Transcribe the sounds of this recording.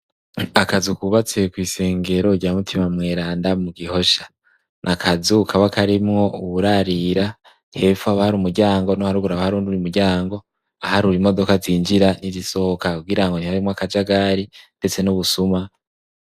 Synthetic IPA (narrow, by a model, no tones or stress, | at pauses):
akazukuβat͡se̞kwiːse̞ːŋɡe̞ɾo̞ɾɟaːmutʰimamŋe̞ːɾaːndamuɡiho̞ʃḁ | nʔakʰazuukʰaβakʰaɾimŋo̞uβuɾaɾiɾa | he̞ːfuaβahaɾuːmuɾɟaːŋɡo̞nohaɾuɡuɾaβahaɾuːnduɾiumuɾɟaːŋɡo̞ | ahaɾuɾimo̞do̞kaziːnd͡ʒiɾaniziso̞hokakuɡiɾaŋɡonihaɾimŋoakad͡ʒaɡaɾinde̞t͡se̞nuβusuma